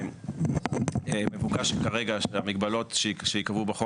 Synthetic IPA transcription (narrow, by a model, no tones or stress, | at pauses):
emevukaʃmkaʁeɡaʃeamiɡbalo̞tʃʃejikavubeχo